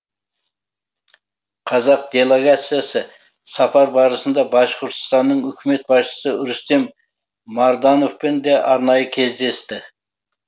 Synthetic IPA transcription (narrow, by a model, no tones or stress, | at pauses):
qʰɑzɑq̚d̪̥e̞lˠeɡat̪sijasə | sɑpɑɾbɑɾəsənd̪ɑbɑʃqʊɾt̪ʰʊ̥st̪ɑnːəɴʏkʲɪme̞t̪̚bɑʃt͡ʃə̥səʊɾʏst̪e̞mː | ɑɾd̪ɑnofpɪnd̪eʔɑɾnɑjəkʲʰe̞zd̪e̞st̪ɪ